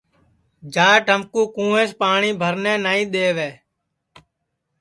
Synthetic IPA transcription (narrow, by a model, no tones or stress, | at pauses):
d͡ʒaːʈəmkũːkũːẽːspaːɳiːbʱəɾnɛ̃ːnaːĩːɗ̪eːʋeː